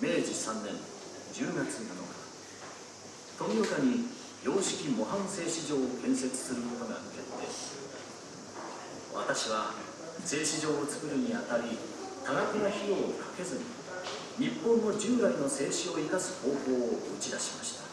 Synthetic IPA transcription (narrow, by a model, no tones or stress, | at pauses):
me̞ːd͡ʑisãnːẽ̞n | d͡ʑɨːɡat͡sɨnono̞̰ɡa | t̪o̞noɯkaɲ̟i | jo̞ːɕi̥kʲimo̞ɦãɰ̃se̞ːɕiʑo̞ːokẽ̞ɰ̃se̞t͡sɨ̥sɨɾɯ̟konoɡa̰mɯ̟ke̞t̪ːe̞̰ | βa̰t̪aɕiβ̞a | se̞ːɕiʑo̞ːt͡sɨ̥kɯ̟ɾɯ̟ɲ̟iat̪aɾʲit̪aɡakʲinaçiɾoːkʰḁke̞zɨɲ̟i | ɲ̟ipːõ̞nːo̞d͡ʑɨːɾaino̞se̞ːɕio̞ikasɨ̥ho̞ːho̞ːoɯt͡ɕid̪aɕimaɕi̥t̪ḁ